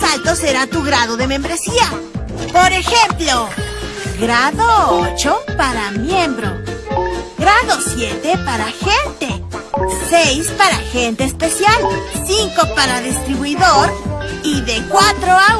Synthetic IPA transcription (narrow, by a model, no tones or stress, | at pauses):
salt̪o̞seɾat̪uɣɾaðoðe̞mẽ̞mbɾe̞sia | poɾe̞xemplo | ɡɾaðoot͡ʃopaɾamjembɾo | ɡɾaðo̞sjet̪epaɾaxe̞nt̪e̞sejspaɾaxe̞nt̪e̞ːspesjalsiŋkopaɾaðist̪ɾiβuiðoɾ | iðekwat̪ɾoa